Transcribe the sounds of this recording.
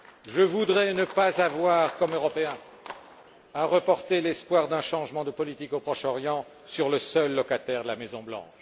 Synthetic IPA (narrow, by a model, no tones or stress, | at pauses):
ʒəvud̪ʁɛnəpazavwaʁkɔmøʁɔpeɛ̃ | aʁəpɔʁt̪elɛspwaʁd̪ɛ̃ʃɑ̃ʒmɑ̃d̪əpɔlit̪ikopχɔʃɔʁjɑ̃ | syʁləsœlːɔkat̪ɛʁd̪əlamɛzɔ̃blɑ̰̃ʃ